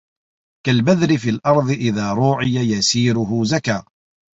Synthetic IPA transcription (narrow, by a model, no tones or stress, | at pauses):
kalbaðɾɪfiːlʔɑɾˤðˤɨʔɪðaːɾˤuːʕɪjajasiːɾʊɦʊzakaː